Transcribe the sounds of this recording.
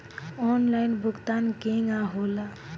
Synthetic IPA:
ɔnlajnbʊkt̪ankeŋɡaɦola

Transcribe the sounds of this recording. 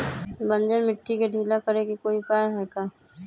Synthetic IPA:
bɐ̃nd͡ʒəɾmɪʈʰːikeɖʱiːlakɐɾekekoːipaːjɦɛːkaː

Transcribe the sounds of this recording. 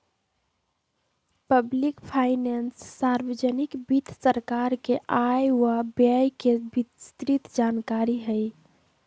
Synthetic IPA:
pəblikpʰaɪnensːaɾwəd͡ʒənikbit̪ʰsəɾkaɾkeʔajwabajkebist̪ɾit̪d͡ʒankaɾiɦəj

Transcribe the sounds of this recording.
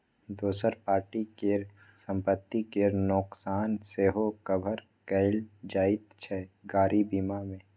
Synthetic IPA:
d̪oːsəɾpaːɾʈike | sə̃mpət̪ːikenʊksaːnseːɦokəbʱəɾ | kɛɪld͡ʒaːɪt̪t͡ʃʰɛɡaːɾibiːmamẽ

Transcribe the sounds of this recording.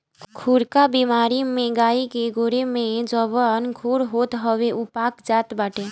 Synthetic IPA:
kʰuːɾkabiːmaːɾimẽɡaːikeɡʱʊɾemẽd͡ʒɔʋənkʰuːɾɦoːt̪ɦəʋeʔupaːkd͡ʒaːt̪baːʈeː

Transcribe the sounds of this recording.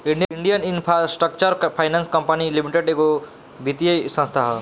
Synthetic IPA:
iɳɖiɳɖijəninpʰɾasʈɾək̚t͡ʃəɾpʰajnanskəmpanilimiʈeɖeɡo | bʱit̪ijəsə̃nst̪ʰaɦ

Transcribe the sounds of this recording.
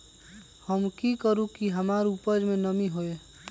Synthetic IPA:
həmkikəɾũkiɦəmaːɾuːpəd͡ʒmẽnəmiɦoeː

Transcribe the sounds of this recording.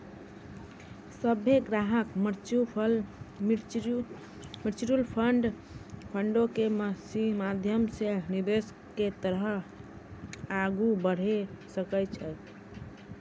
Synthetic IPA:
səbʱeɡɾaɦəkməɾt͡ʃupəl | məɾt͡ʃiɾulpʰəɳɖ | pʰəɳɖokeməsimad̪ʱjəmsenid̪es | kːet̪əɾɦə | aɡubəɽ̤esəkət͡ʃʰɛ

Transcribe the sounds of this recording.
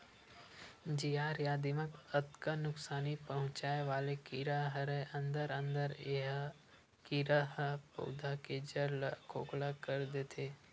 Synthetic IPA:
d͡ʒijaːɾjaːd̪iməkət̪kənʊksaːnipɐɦʊ̃t͡ʃaːeʋaːlekiɾaɦɾeə̃nd̪əɾə̃nd̪əɾ | kiɾaɦəpo̰ːd̪ʱaked͡ʒəɾlkʰoːklakəɾd̪eːt̪ʰeː

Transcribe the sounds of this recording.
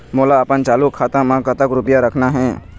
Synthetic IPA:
moːlaəpənt͡ʃaːlukʰaːt̪ãmãkət̪əkɾʊpjaɾəkʰnaɦɛ̃ː

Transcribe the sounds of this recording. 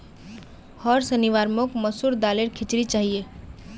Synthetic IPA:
hɔːɾsəniʋaːɾmokməsuɾd̪aːleɾkʰɪt͡ʃɾit͡ʃaːɦie

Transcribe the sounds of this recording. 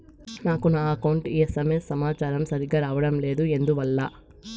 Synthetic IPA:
naːkunaːɐkɐwuɳʈiɐsɐmeːsɐmaːt͡ʃaːɾɐmsɐɾiɡaːɾaːʋɐɽɐmle̞ːd̪ue̞nd̪uʋɐlːɐ

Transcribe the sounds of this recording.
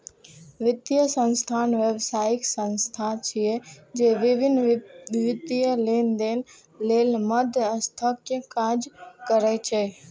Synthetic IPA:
ʋɪt̪ijəsə̃nst̪ʰaːnʋebsaːɪksə̃nst̪ʰat͡ʃʰied͡ʒeːʋɪʋɪnʋɪt̪ijəleːnd̪eːn | leːlməd̪ʱəst̪ʰəkjəkaːd͡ʒkəɾet͡ʃʰeː

